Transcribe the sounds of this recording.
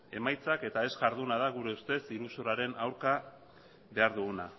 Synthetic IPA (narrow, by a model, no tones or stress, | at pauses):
e̞majt͡sake̞t̪ae̞zʝaɾðunað̞aɣ̞uɾe̞ust̪e̞siɾusuɾaɾe̞nawɾka | βe̞aɾðuɣuna̰